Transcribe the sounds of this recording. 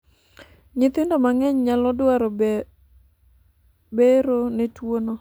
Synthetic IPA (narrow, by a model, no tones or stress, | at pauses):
ɲɪt̪ɪndɔmaŋɛɲɲalɔdwaɾɔ | beɾonetwonɔ